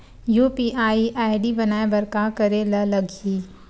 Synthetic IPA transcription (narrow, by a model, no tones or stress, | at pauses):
juːpiʔaːiʔaːɪɖibɐnaːebɐɾkakɐɾelɐlɐɡiː